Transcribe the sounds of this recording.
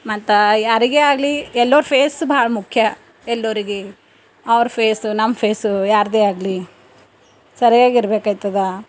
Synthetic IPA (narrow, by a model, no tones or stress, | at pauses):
mɐt̪ɐaɾiɡeaːɡɐliɛlːoːɾupʰeːsbaːɭɐmukʰjɐ | ɛlːoːɾiɡe | ɐʋɐɾpʰeːsunɐmːɐpʰeːsujaːɾd̪eːaːɡli | sɐɾijaːɡiɾbeːkaːjt̪ːɐd̪a